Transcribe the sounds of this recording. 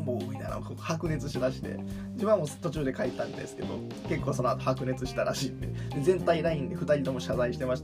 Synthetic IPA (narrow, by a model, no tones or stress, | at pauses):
moina̰ɾo̰kohakɯ̟ne̞t͡sɨɕimaɕi̥t̪e̞̰ | d͡ʑimamo̞t̪o̞t͡ɕɨːd̪e̞kaet̪ːãnd̪e̞̰sɨ̥ke̞̰d̪o̞̰ | ke̞kːo̞ːso̞noat̪ohakɯne̞t͡sɨɕi̥t̪aɾaɕiːt̪ːed̪e̞zẽ̞nt̪aiɾaĩnd̪eɸɯ̟t̪aɾʲit̪o̞mo̞ɕazaiɕi̥t̪e̞maɕi̥t̪